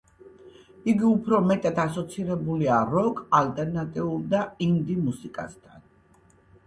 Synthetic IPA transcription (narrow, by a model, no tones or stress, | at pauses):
iɡiupʰɾɔmɛt̪ʼat̪ʰasɔt̪sʰiɾɛbuliaɾɔkʼalt̪ʼɛɾnat̪ʼiulˠd̪aimd̪imusikʼa̰st̪ʰa̰n